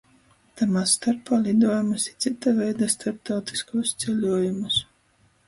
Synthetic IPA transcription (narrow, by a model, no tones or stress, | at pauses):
t̪amast̪aɾpaːlid̪uɔjumusit̪sit̪avɛjd̪ast̪ʰaɾp̚t̪awt̪i̥skuɔst̪sɛlʲuɔjumus